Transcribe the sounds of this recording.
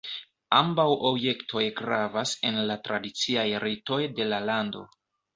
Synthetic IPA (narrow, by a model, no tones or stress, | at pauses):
ambawʔobje̞ktʰo̞jɡɾavase̞nlatɾadit͡siajɾito̞jde̞lalando̞̰